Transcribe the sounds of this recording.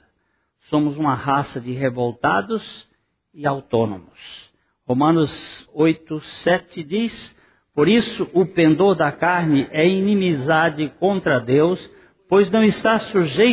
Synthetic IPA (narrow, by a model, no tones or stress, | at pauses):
sõmʊzũmɐhasɐd͡ʒɪɦevowt̪ad̪ʊz | ɪawt̪õnõ̰mʊs | homɐ̃nʊzojt̪ʊsɛt͡ʃɪd͡ʒis | poɾisʊʔʊpẽnd̪oɾd̪ɐkaɾnɪʔɛinĩmizad͡ʒɪkõnt̪ɾɐd̪ews | pojznɐ̃w̃ɪst̪asuʒej